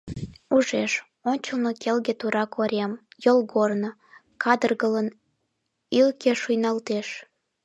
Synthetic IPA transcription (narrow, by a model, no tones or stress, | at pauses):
uʒeʃ | onʲt͡ɕənokelɣet̪uɾɑkoɾʲemjolɣorno | kʰɑd̪ərɣələn | ilkeʃujnɑlt̪eʃ